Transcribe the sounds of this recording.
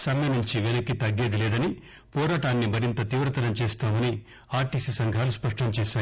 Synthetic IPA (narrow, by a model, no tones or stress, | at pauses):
sɐmjɐnuɲt͡ʃiʋenɐkːit̪ɐɡːe̞ːd̪ilɛːd̪ɐni | pɔːɾaːʈaːnːimɐɾint̪ɐt̪iːʋɾɐt̪ɐɾɐmt͡ʃeːst̪aːmɐni | aːɾʈiːsisɐŋɡʱaːluspɐʂʈɐmt͡ʃɛːʃaː